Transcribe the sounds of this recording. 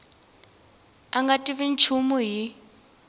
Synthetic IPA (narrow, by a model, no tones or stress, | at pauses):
aŋɡatʼiβint͡ʃʰumuɦi